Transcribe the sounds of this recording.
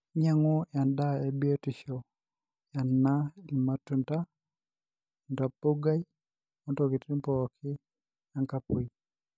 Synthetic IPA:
ɲa˦ŋɔ˦ja˨nda˦ɛ˨bi˦o˦ti˨ʃɔ˨ | ja˨nːa˦i˨ma˦tu˦˨nta˦ | ɔ˨nda˨pːo˦ɡa˦i˦ | mɔ˦ntɔ˨ki˨tɾi˦mpɔ˨kʰɪ˦ | ja˦ŋka˦po˦i˨

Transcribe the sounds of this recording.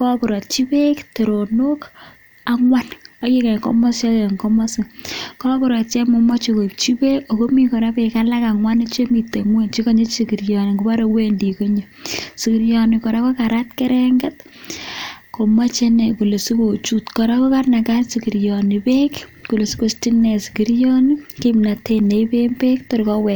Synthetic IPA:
kɔ˦ku˨ɾɔ˨t̚t͡ʃi˦pe˦kte˨ɾo˨no˦k | a˦ŋwa˦no˦je˦kɛ˨ŋkɔ̰˦mɔ˦sjɔ˦tŋkɔ˦mɔ˦sɪ˨kɔ˦kʊ˨ɾɔ˨t̚t͡ʃɛ˦mo˨ma˦t͡ʃo˨ko˨i˨p̚t͡ʃi˦pe˦o˨ko˦mi˦kɔ˨ɾa˦pe˨ka˦la˦ka˨ŋwa˦ne˦t͡ʃe˦mi˨te˨ŋwe˦nt͡ʃi˦ko˦ɲe˦si˨ki˨ɾjɔ˨ne˨ku˦pa˦ɾe˦we˦ndi˨ko˦ɲe˨siki˨ɾjɔni˨kɔ˨ɾa˦ko˦ka˨ɾa˦t̚kɛ˦ɾɛŋɡɛ˦t̚ | ko˨ma˦t͡ʃe˦ne˨ku˨le˨su˦ko˨t͡ʃu˦tkɔ˨ɾa˦ko˦ka˦rna˨ka˦rsiki˨ɾjɔ˨ni˨pe˦kku˨le˨su˦ko˦sti˦nɛ˨si̥˨ki˨ɾjɔ˦ni˦ke˦mna˨te˦ne˨ipe˦mpe˦kto˨ɾkɔ˦wɛ˨

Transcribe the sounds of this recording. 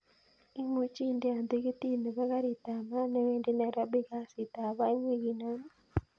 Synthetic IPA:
i˦mu˨˦t͡ʃi˦nde˨a˨nd̪e˦ɣe˦t̪i˦ne˨βa˦ɣa˦ɾe˨ta˨ma˦nɛ˦we˦nde˦na˨ɾa˦be˦ɣa˦si˨t̪a˨βa˦i˦ŋwe˦ɣi˨na˦n

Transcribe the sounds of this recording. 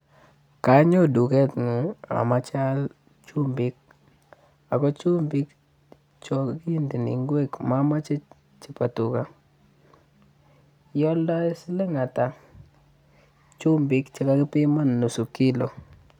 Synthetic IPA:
ka˦ɲɔ˦du˨kɛ˦t̪ŋu˨a̰˨ma˦t͡ʃa˦l | t͡ʃu˦mbɪ˦k̚ | a˨kɔ˦t͡ʃu˦mbɪ˦k | t͡ʃɔ˦ki˦ndi˨nḭ˨ŋɡwe˦kma˦ma˦t͡ʃe˦ | t͡ʃi˨pa˨tu˨ka˨ | jɔ˦lda˦jsɪ˦le˦ŋa˨ta˨ | t͡ʃu˦mbɪ˦kt͡ʃe˦ka˦ki˦pi˦ma˦nːu˨su˨ki˦lo˨

